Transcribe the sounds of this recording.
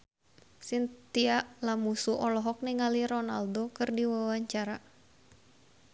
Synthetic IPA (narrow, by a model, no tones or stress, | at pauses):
sint̪iaʔlamusuʔɔlɔɦɔk̚niŋaliɾɔnaldokɨrdiwawaɲt͡ʃaɾa